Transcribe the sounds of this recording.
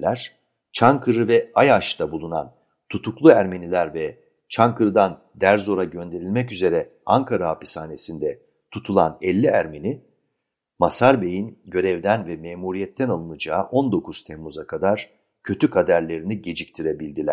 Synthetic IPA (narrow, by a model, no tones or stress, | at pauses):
lʲæɾ̥ | t͡ʃʰaŋkʰɯɾɯvɛajaʃt̪ʰabulˠuna̰n | t̪ʰut̪ʰuklˠuæɾme̞nilʲæɾvɛ | t͡ʃʰaŋkɯɾɯd̪an | d̪æɾzo̞ɾaɟø̞nd̪e̞ɾilʲmɛcyze̞ɾɛ | aŋkʰaɾaapi̥saːne̞sind̪ɛ | t̪ʰut̪ʰulˠa̰nɛlʲːiæɾmeni | masaɾbe̞jinɟø̞ɾɛvd̪ænvɛmeːmuɾijɛt̪ʰːɛnalˠɯnɯd͡ʒaːʔo̞nd̪o̞kʰuz̥t̪ʰɛmːuzakʰad̪aɾ̥ | cʰø̞t̪ʰykʰad̪æɾlʲe̞ɾiniɟe̞d͡ʒic̚t̪ʰiɾebilʲd̪ilʲæ̰ɾ̥